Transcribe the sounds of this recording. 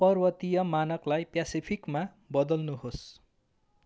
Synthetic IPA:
pʌrbʌt̪ijʌmanʌklajpjasipʰikma | bʌd̪ʌlnuɦos

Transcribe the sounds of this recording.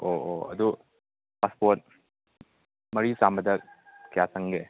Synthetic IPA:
ooɐ̰du | paspoɾt̚ | mɐɾisambɐdɐkijatʰɐŋɡe

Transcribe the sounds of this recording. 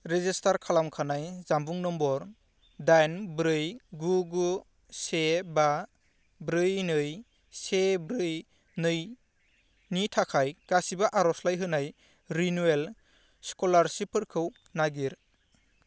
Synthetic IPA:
ɾezistʰaɾkʰalamkʰanajzambuŋnɔmbɔɾ | dajnbɾɯjɡuɡu | seba | bɾɯjnɯj | sebɾɯj | nɯj | nitʰakʰajkasibaʔaɾɔslajɦɯnaj | ɾinuel | skɔlaɾsipʰɯɾkʰɯw | naɡiɾ

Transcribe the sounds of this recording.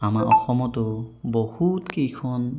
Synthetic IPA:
amaɹʔɔ̰xɔmɔtʊbohutkejkʰɔn

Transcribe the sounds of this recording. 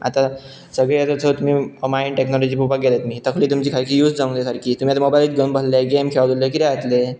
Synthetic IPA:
a̰t̪a | səɡɭeat̪ət͡s̪ʰət̪um̤iːmainʈeknɔlɔd͡ʑiːpubakɡelet̪um̤iːt̪əkʰliːt̪umt͡ɕiːkʰalkʰijuːsd͡zaũŋd̪esaɾkʰiːt̪umiat̪amobajlit̪ɡəmbəlleɡemkʰeɭad̪ulekit̪ɛat̪le

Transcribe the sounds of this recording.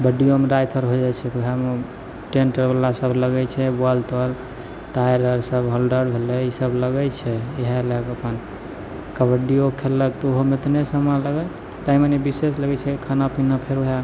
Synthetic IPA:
bəɖijomeɾajt̪ʰəɾɦod͡ʒat͡ʃʰɛt̪uɦeme | ʈeɳʈəɾbəlːasəbʱləɡɛt͡ʃʰɛbalt̪əl | ʈajɾəɾsəbɦəlɖəɾbʱeleisəbləɡɛt͡ʃʰɛeɦeləkəpən | kəbəɖijokʰːelək̚t̪ɔuɦomet̪nesəmaləɡə | t̪aimənibisesləɡɛt͡ʃʰɛkʰanapinapʰeɾoɦe

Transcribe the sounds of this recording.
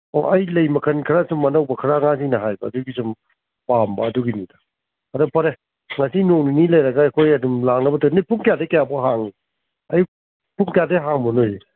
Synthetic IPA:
o̰ʔɐjlɐjmɐkʰɐnkʰaɾasumːɐnɐwbɐkʰaɾaŋasinɐɦajbɐːduɡisum | pambɐːduɡinida | ɐdupʰaɾe | ŋasinoŋninilɐjɾɐɡaekʰojɐdumlaŋnɐbɐtanijpʰuŋkjadekajabɔɦaŋi | aj | pʰuŋkjadeɦaŋbɔnoj

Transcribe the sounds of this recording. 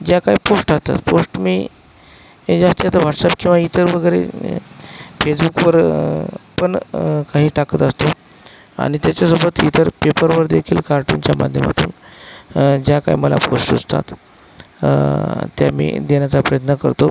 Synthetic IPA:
d͡ʑjakaiposʈast̪a̰t̪posʈmiː | ed͡zast̪iat̪əʋaʈsap̚kĩw̃ʋait̪əɾʋəɡəjɾḛ | fesbukʋəɾ | pəɳkaɦiːʈakət̪əst̪o | a̰ñit̪jat͡ɕjasobət̪it̪əɾpepəɾʋəɾd̪ekʰiːlkaɾʈunt͡ɕjama̰d̪ʱjəma̰t̪ṵːn | d͡ʑjaka̰ḭməla̰posʈud͡zt̪a̰t̪ | t̪ːja̰mḭːd̪enjat͡sapɾəjət̪nəkəɾt̪o

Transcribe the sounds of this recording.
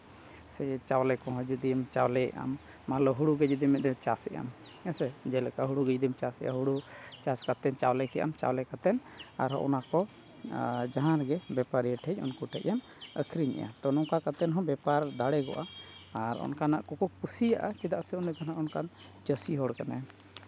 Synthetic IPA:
sɛt͡ʃawlɛkɔɦɔ̃d͡ʒud̪imt͡ʃawlɛɛ̰ʔa̰mː | alɔɦuɽuɡɛd͡ʒud̪imɛd̪ɛt͡ʃasɛʔa̰mɛsɛd͡ʒɛlɛkaɦuɽuɡəd͡ʒd̪imt͡ʃasɛ̰ʔa̰ɦuɽut͡ʃaskat̪ɛnt͡ʃawlɛkɛʔa̰mt͡ʃa̰wlɛkat̪ɛna̰ɾɦɔ̃ʔɔ̰nakɔ | d͡ʒaɦãɾɡɛbɛpaɾiɛʈʰɛc̚ˀɔ̰nkuʈɛc̚ɛn | əkʰɾiɲɛ̰ʔa̰t̪ɔnɔkakat̪ɛnɦɔ̃bɛpaɾd̪aɽɛɡɔ̰ʔaːɾɔ̰nkanaʔkɔkɔkusijaʔat͡ʃɛd̪aʔsɛɔnɛt̪ʰanaʔɔnkan | d͡ʒəsiɦɔɽkana

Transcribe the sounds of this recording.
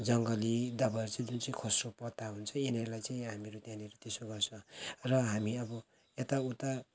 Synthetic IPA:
d͡zʌŋɡʌlid̪abʌʌɾut͡saĩd͡zunt͡saĩkʰosropʌt̪aɦunt͡sʰʌenerlajt͡saĩɦamiɾut̪janiɾot̪esoɡʌrt͡sʰʌ̃rʌɦamiʌbʌ | et̪aut̪a

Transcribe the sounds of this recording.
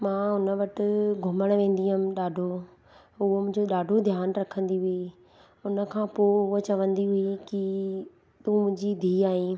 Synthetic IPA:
mãːʊnə̆ʋɐʈɪ̆ɡʱʊməɽ̃ʋẽːn̆d̪iɦʊmɪ̆ɗaːɖʱo | ʊɦomʊ̃ɪ̃ɲd͡ʑoɗaːɖʱod̪ʱjaːnɾɐkʰə̃nd̪iɦʊi | ʊnə̆kʰãːpoːɦʊot͡ɕɐʋə̃nd̪iɦʊiki | t̪ũːmʊ̃ɦɲd͡ʑid̪ʱiːaːɦĩː

